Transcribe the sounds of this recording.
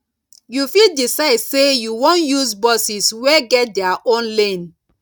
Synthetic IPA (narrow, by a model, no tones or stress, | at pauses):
jufildisaɪdsejuwõnjuzbɔsisweɡɛt̚dɛaʔõnlẽn